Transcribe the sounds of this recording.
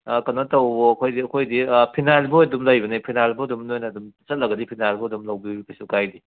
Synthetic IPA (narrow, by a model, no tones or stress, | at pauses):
kɐnɐtɐwboɐkʰojdiɐkʰojdipʰinalbuɐdumlɐjbɐnipʰinalbuɐdumnojnɐːdumsɐt̚lɐɡɐdipʰinalbuɐdumlɐwbikɐsukajdi